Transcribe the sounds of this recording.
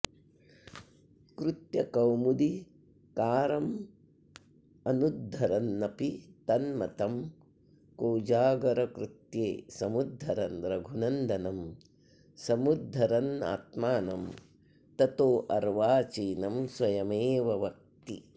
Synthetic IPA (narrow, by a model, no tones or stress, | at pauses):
kɾut̪jɐkɐwmud̪i | kaːɾɐm | ɐnud̪ʱːɐɾɐnːɐpit̪ɐnmɐt̪ɐm | koːd͡ʒaːɡɐɾɐkɾut̪jeːsɐmud̪ʱːɐɾɐnɾɐɡʱunɐnd̪ɐnɐm | sɐmud̪ʱːɐɾɐna̰ːt̪maːnɐm | t̪ɐt̪oːʔɐɾʋaːt͡ʃiːnɐmswɐjɐmeːʋɐʋɐk̚t̪i